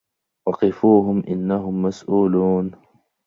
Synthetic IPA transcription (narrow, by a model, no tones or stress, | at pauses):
wɑqɪfuːɦʊmʔɪnːaɦʊmːasʔuːluːn